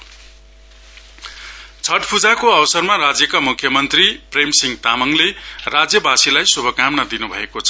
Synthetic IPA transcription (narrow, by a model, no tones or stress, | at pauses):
t͡sʰʌʈpʰud͡zakoʌwʌsʌrmarad͡zjʌkamukʰːjʌmʌnt̪ripremsiŋt̪amʌŋlerad͡zjʌbasilajsubʱʌkamnad̪inubʱʌekot͡sʰʌ